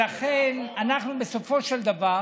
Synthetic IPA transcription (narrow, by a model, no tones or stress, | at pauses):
aχenanaχnubeso̞fo̞ʃeld̪ava